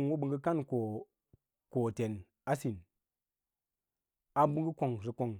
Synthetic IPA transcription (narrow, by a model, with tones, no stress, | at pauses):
nwo˦ɓɨ˧ŋɡɨ˦ka˦nko˨ | ko˨te˨n | a˦si˨n | a˨bu˦ŋɡɨ˦ko˨ŋzi˨ko˨ŋ